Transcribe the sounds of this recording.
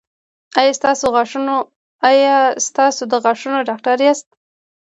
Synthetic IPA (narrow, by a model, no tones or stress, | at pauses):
ajɑst̪ɑsoɣɑʂuno | ajɑst̪ɑsod̪əɣɑʂunoɖɑkʈaɾjɑst̪̚